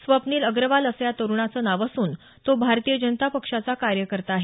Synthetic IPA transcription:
sʋəpniːləɡɾəʋaləsljat̪oɾuɳat͡səːnaʋasuːn | t̪obʱaɾt̪ijəd͡ʑənət̪apəkʂat͡sakaɾjəkəɾt̪aːɦe

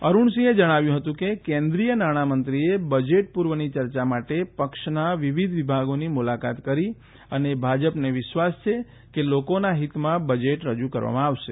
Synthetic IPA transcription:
əɾuɳ̃s̬ĩed͡ʒəɽ̃aʋjũɦət̪ũkekẽnd̪ɾijənaɽ̃amənt̪ɾiebəd͡ʒeʈ̚puɾʋənit͡ʃəɾt͡ʃamaʈepəkʃnaʋɪʋid̪ʱʋɪbʱaɡonimulakat̪kəɾi | ənebʱad͡ʒəpneʋɪʃʋast͡ʃʰe | kelokonaɦit̪mãbəd͡ʒeʈɾəd͡ʒukə̰ɾʋa̰mãaʋʃe

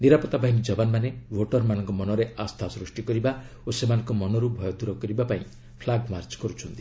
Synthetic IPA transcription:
niɾapɔt̪abaɦinid͡ʒɔbanmaneboʈɔɾmanɔŋkɔmɔnɔɾeʔast̪ʰasɾusʈikɔɾiba | osemanɔŋkɔmɔnɔɾubʱɔjɔd̪uɾɔkɔɾibapaĩ | pʰlaɡmaɾt͡ʃɔ̥kɔɾut͡ʃʰɔnt̪i

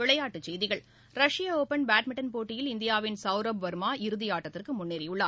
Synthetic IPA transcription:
ʋɪɭɐjaːʈːɯt͡ʃɛjðɪɣɐɭ | ɾɐʂɪjaoːpɐnbaːʈmɪʈːɐnpoːʈːɪjɪlɪnd̪ɪjaːʋɪnsɐʊɾɐbʋɐɾɯmaːʔɪɾɯðɪjaːʈːɐt̪ːɪrkɯmʊnːiːɾɪjʊɭːaː

